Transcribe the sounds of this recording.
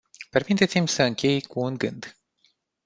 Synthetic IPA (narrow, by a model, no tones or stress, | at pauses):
pe̞rmit̪e̞t̪simʲsəɨŋkʲʰe̞jkuːnɡɨnd̪